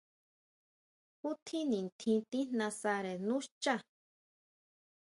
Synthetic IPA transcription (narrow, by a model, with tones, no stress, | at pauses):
hu˦t̪ʰi˦nĩ˨nt̪ʰĩ˧t̪ĩ˦nã˧sa˧ɾe˨nũ˦ʃt͡ʃa˦